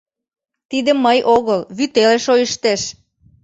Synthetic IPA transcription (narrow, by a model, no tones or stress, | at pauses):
t̪id̪ə̆mːəjʔoɣəlβyt̪eleʃojəʃt̪eʃ